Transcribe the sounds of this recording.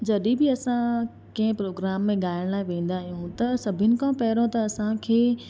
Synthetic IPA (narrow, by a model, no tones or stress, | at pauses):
d͡ʑɐɗibɪɐsã | kɐ̃ɦɪ̃pɾoːɡɾaːmːẽɠaːɪəɽ̃laːɪʋẽːn̆d̪aːɦijũt̪ɐsɐbʱɪnɪ̆kʰãpɐːɪɾõt̪ɐːsãkʰeː